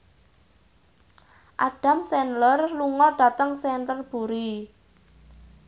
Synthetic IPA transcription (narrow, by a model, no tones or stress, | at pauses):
ʔaɖ̥a̤msɛnlɔrluŋɔɖ̥a̤t̪əŋsɛnt̪ərb̥uɾi